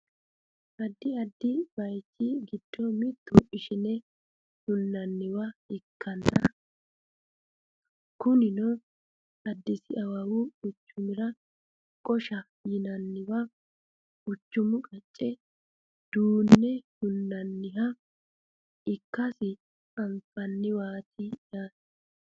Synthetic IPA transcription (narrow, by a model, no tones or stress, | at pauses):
ʔɐd̪ːɪɐd̪ːɪbɐjt͡ʃːɪɡɪd̪̥ːɔmɪt̪ːʊʔɪʃɪnɛ | hʊnːɐnːɪwɐɪkːɐnːɐ | kʊnɪnɔ | ɐd̪ːɪsɪɐwɐwʊʊt͡ʃːʊmɪɾɐ | kʼɔʃɐ | jɪnɐnːɪwɐ | ʊt͡ʃːʊmʊkʼɐt͡ʃʼːɛ | d̪̥uːnːɛhʊnːɐnːɪɦɐ | ɪkːɐsɪ | ɐmfɐnːɪwaːtɪjaːs